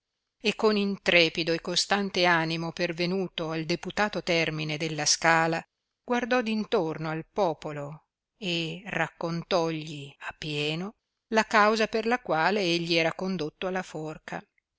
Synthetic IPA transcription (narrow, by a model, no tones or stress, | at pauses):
ekːonint̪ɾɛːpid̪oekːost̪ant̪eaːnimopervenuːt̪oald̪eput̪aːt̪ot̪ɛrmined̪elːaskaːla | ɡward̪ɔd̪int̪ornoalpɔːpolo | erakːont̪ɔʎːiapːjɛːno | lakawzaperlakwaːleeʎːiɛːɾakond̪ot̪ːoalːafɔrka̰